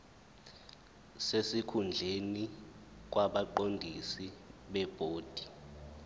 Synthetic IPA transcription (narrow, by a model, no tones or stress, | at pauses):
sesikʰund͡ɮʱeni | k̬waɓaǃondʱisiɓɛb̥ʱoːd̥ʱi̥